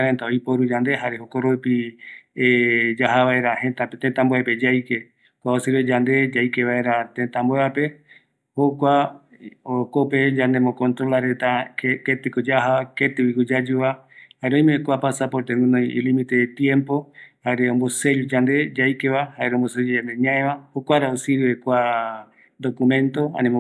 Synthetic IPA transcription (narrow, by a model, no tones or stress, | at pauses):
ɾent̪aojpoɾud͡ʒãnd̪eɦaɾehokoɾopied͡ʒaɦaβae̞ɾahe̞nt̪apet̪ent̪ãmboepe̞d͡ʒajke̞ | kʷaoseɾed͡ʒand̪e̞d͡ʒajkeβae̞ɾat̪ent̪ãmboeape̞ | hokʷa | okope̞d͡ʒãnd̪emõkont̪ɾolaɾet̪aket̪ekod͡ʒaɦaaket̪ewikud͡ʒad͡ʒuβahaeɾoj̃mekʷapasapoɾt̪ẽŋɡunõjilimĩt̪et̪je̞mpo̞haeɾeõmbosed͡ʒud͡ʒand̪e̞d͡ʒajkeβahaeɾeombosed͡ʒud͡ʒand̪eɲãẽβahokʷaɾaosiɾβekʷa | d̪okumẽ̞nt̪oa̰nẽm